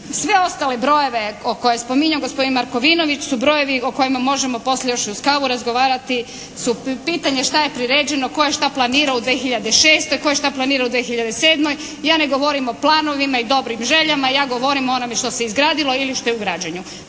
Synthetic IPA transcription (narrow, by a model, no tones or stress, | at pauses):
sʋe̞o̞st̪ale̞bɾo̞jo̞ʋe̞oko̞jespo̞miɲaɡospo̞d̪inmaɾko̞ʋino̞ʋit͡ɕsubɾo̞je̞ʋioko̞jimamo̞ʒe̞mo̞po̞slʎejo̞ʃuskaːʋuɾazɡo̞ʋaːɾat̪i | supiːt̪aɲe̞ʃt̪ajepɾiɾeːd͡ʑe̞no̞ko̞je̞ʃt̪aplˠaniːɾaud̪ʋeːxiʎad̪eʃe̞ːst̪o̞jko̞jeʃt̪aplˠaniːɾaud̪ʋexiʎad̪eseːd̪mo̞j | jaːne̞ɡo̞ʋo̞ɾimo̞plˠaːno̞ʋimaid̪o̞bɾimʒe̞ʎamajaːɡo̞ʋo̞ɾimoo̞no̞me̞ʃt̪o̞seizɡɾaːd̪ilo̞iliʃt̪o̞jeuɡɾaːd͡ʑaɲu